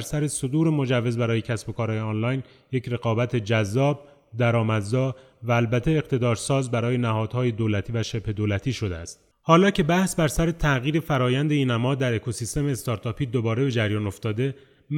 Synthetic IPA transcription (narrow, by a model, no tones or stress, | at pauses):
ɾsæɾe̞so̞d̪uːɾe̞mo̞d͡ʒævːe̞zbæɾɒːje̞cʰæsbo̞kʰɒːɾːjeɒːnlɒjn | je̞cʰɾe̞ɣɒːbæt̪ʰe̞d͡ʒæzːɒːb̚ | d̪æɾɒːmæd̪zɒː | væːlbæt̪ʰeːqt̪ʰe̞d̪ɒːɾsɒːzbæɾɒːje̞næhɒːd̪̥hɒːje̞d̪oːlæt̪ʰiːvæʃebhe̞d̪oːlæt̪ʰiːʃo̞d̪eæst̪̚ | hɒːlɒːcʰe̞bæhsbæɾsæɾet̪ʰæɣiːɾe̞fæɾɒːjænd̪einæmɒːd̪æɾe̞kʰo̞siːst̪e̞meːst̪ɒːɾt̪ʰɒːpʰiːd̪obɒːɾe̞be̞d͡ʒæɾjɒːno̞ft̪ɒːd̪e̞ | m